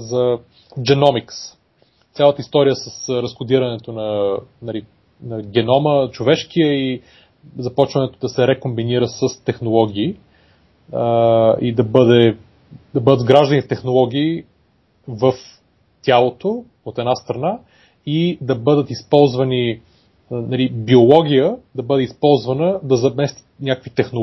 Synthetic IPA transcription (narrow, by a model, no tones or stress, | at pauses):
zɐ | d͡ʒɛnɔmiks | t̪sʲalˠət̪əist̪ɔɾijəsəsɾɐskod̪iɾɐnɛt̪onɐnɐli | nɐɡʲɛnɔmət͡ʃovɛʃk̟ijəi | zɐpɔt͡ʃvɐnɛt̪od̪ɐsɛɾɛkombiniɾəsəst̪ɛxnolˠɔɡʲiː | id̪ɐbɤd̪ɛ | d̪ɐbɤd̪əd̪ɡɾaʒd̪ənit̪t̪ɛxnolˠɔɡ̟ʲiː | vəf | t̪ʲalˠot̪o | ot̪ɛd̪ast̪ɾɐna | id̪ɐbɤd̪ət̪ispɔlˠzvɐni | nɐlibiolˠɔɡʲijəd̪ɐbɤd̪ɛispɔlˠzvɐnəd̪ɐzɐmɛst̪i̥nʲakəkvit̪ɛxno